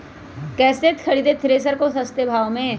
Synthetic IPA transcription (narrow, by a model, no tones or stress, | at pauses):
kɛːseːt̪kʰəɽiːd̪et̪ʰɾeːs̬əɾkosəst̪ebʱaːomẽː